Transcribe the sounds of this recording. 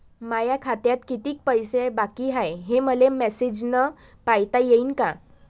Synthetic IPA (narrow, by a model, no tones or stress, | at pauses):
majakʰat̪jat̪kit̪iːk̚pəjsebakiɦajɦeməlemɛsed͡ʑnə | pajt̪ajeinka